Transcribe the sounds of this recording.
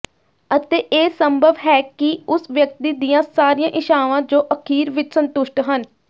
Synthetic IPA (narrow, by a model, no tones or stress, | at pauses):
ət̪eːʔeːsəmbʱəʋɦɛːkɪʊsʋjək̚t̪iːd̪ijãːsaːɾiːjãːʔɪʃaːʋãːd͡ʒoːʔəkʰiːɾʋɪt͡ʃsənt̪ʊʃʈɦən